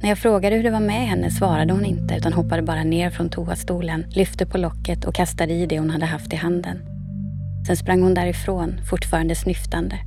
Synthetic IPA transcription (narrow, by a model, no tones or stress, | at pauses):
næɾjɑːɡfɾoːɡad̪əhɵɖɛvaɾmɛɦɛnːə̰svɑːɾad̪əhʊnɪnt̪əʉ̟ːt̪anɦɔpːad̪əbɑːɾaneːɾfɾɔnt̪ʰuːast̪uːlənlʏft̪əpʰɔlɔkːət̪ʰɔ̰kʰast̪ad̪əɪd̪ɛhʊnhad̪ːəɦaft̪ɪɦand̪ən | sɛnspɾʔaŋːhʊnd̪æɾɪfɾoːnfʊʈːfɑːɾand̪əsnʏft̪and̪ə